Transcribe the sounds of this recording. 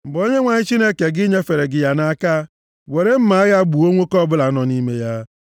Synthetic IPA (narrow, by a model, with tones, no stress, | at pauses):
m̩˨bo˦ɲe˦ŋʷa˨ɲɪ˦t͡ʃi˦ne˦ke˨ɡɪ˦ɲe˦fe˨ɾe˨ɡɪ˨ja˦na˦ka˦ | we˨ɾe˦m̩˦ma˨˦ɣa˦ɡ͡bu˨o˦ŋʷo˦kɔ˦bʊ˦la˨˦nɔ˨ni˦me˦ja˦